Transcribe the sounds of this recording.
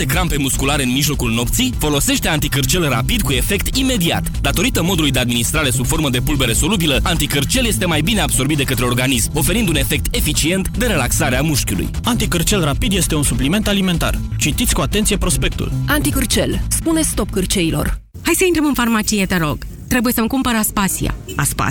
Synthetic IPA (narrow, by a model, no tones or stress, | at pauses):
ekɾampe̞muskulaɾe̞ɨnmiʒlo̞kulno̞pt̪sifo̞lo̞se̞ʃt̪e̞ant̪ikɨrt͡ʃe̞lra̰pid̪kue̞fe̞kt̪ime̞d̪ia̰t̪d̪at̪o̞ɾit̪əmo̞d̪ulujd̪e̞ad̪minist̪ɾaɾe̞subfo̞rməd̪e̞pulbeɾe̞so̞lubiləant̪ikɨrt͡ʃe̞lje̞st̪e̞majbine̞abso̞rbit̪̚d̪e̞kət̪ɾe̞o̞rɡanismo̞fe̞ɾind̪une̞fe̞k̚t̪e̞fit͡ʃie̞nt̪d̪e̞ɾe̞laksaɾeamuʃkʲiṵlṵjant̪ikɨrt͡ʃe̞lrapid̪je̞st̪e̞unsuplime̞nt̪alime̞nt̪a̰rt͡ʃit̪it̪sʲkuat̪e̞nt̪sije̞pɾo̞spe̞k̚t̪ṵlant̪ikɨrt͡ʃelspunest̪o̞p̚kɨrt͡ʃeilo̞̰r | hajsəint̪ɾəmɨnfarmat͡ʃijet̪eɾo̞ɡ | t̪ɾebuje̞səmkumpəɾəaspasḭa̰aspa̰